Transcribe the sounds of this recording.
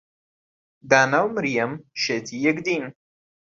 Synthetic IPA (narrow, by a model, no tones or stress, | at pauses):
d̪aːnawməɾijɐmʃet̪ʰijekd̪in